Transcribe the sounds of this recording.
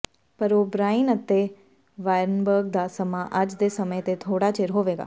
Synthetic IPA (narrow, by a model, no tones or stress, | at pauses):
pəɾoːbɾaːɪnət̪e | ʋaːjɾnbəɾɡ̚d̪asəmaʔɐd͡ʒd̪eːsəməet̪et̪ʰoːɽat͡ʃeɾɦoːʋeːɡa̰ː